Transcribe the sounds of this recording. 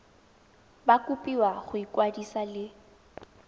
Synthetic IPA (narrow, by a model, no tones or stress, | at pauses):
bakʼupʼiwaχʊikʼwadisalɪ